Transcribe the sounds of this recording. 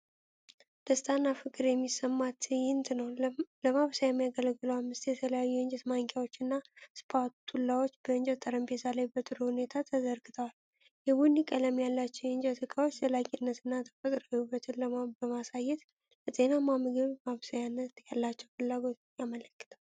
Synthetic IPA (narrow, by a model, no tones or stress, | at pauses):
d̪̥əst̪ʰʼanːafɨkʼɨɾjɛmːisːəmːat̪jɪnt̪nəwləmaβsajɛmːijaɡələɡɨləwamːɨst̪jɛt̪ʰələjajːuɪnd͡ʒɛt̪maŋkʼjawot͡ʃːɨnːaspʰat̪hulːawo̞t͡ʃːb̥əɨnd͡ʒət̪ʼːəɾəmbetalajbət̪ʼɨɾuhune̞t̪ʰat̪ʰəzəɾɡɨt̪ʰəwal | jɛbunːikʼːələmjalːat͡ʃːɛwɨnd͡ʒɛt̪ʰɨkʰʼawot͡ʃːt̪ʰəlakʼinːət̪ʰɨnːat̪ʰə̥fət̪ʼɾojubət̪ʰɨnləbəmasajɛt̪ | ləzʼe̞namamɨɡɨβmaβsajanːət̪jalːat͡ʃːɛwfɨlːaɡo̞t̪jamələkːɨ̥t̪ʰəw